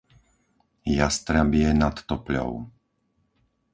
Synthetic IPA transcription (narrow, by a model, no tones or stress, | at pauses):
jast̪ɾabɪɛnat̪ːɔplɔ̰ʊ